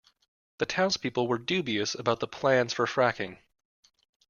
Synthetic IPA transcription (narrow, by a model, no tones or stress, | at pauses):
ðɨtʰãʊ̃nz̥pʰipl̩ˠwə˞dʉbiɨsəbaʊt̪̚ðəpʰl̥æ̃nz̥fə˞fɹækɪ̃ŋ